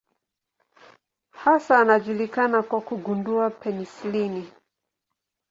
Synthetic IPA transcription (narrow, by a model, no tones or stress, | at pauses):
hasaːnaʄulikanakwakuɡunduapɛnislini